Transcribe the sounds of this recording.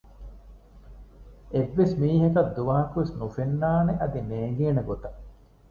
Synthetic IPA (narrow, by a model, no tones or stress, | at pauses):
eʋːesmiːɦɐkɐd̪ːuʋaːɦɐkuʋesnufenːaːneʔɐd̪ineːŋɡeːnɐɡot̪ɐ